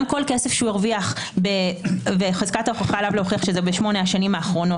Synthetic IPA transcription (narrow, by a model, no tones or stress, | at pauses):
mko̞lke̞se̞fʃeueʁviaχ | bebeχazkataoχoχalavleoχiaχʃe̞zebe̞ʃmo̞neaʃanimaːχʁo̞no̞